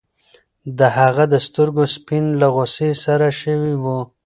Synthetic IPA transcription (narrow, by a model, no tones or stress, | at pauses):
d̪əhaɣad̪əst̪əɾɡospinlaɣosesaɾaʃəwiwu